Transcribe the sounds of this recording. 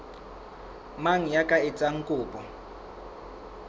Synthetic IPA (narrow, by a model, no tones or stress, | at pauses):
maŋ̩jakʼaɪt͡sʼaŋ̩kʼʊːpʼɔ